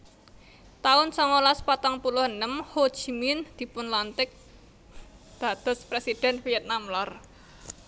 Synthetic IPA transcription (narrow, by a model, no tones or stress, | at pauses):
t̪aʊnsɔŋɔlaspat̪aŋpulʊhənəmho̥ʒ̥imɪnd̪̥i̤pʊnlant̪ɪk̚ | d̪̥a̤d̪̥ɔ̤spɾesid̪̥ɛ̤nfiɛt̪̚namlar